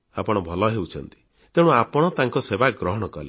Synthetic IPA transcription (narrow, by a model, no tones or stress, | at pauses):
apɔɽ̃ɔbʱɔlɔɦeut͡ʃʰɔnt̪i̥ | t̪ew̃ɽ̃uapɔɽ̃ɔt̪aŋkɔsebaɡɾɔɦɔɽ̃ɔkɔle